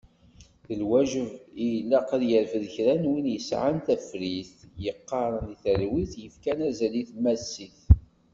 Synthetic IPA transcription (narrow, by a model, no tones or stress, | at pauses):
θəlwæʒəvijlːæqəðjəɾfðəçɾænwinjəsʕant̪æfɾiθjəqːɑɾˤəniθəɾwiθjəfkænæzæliθmæsːiθ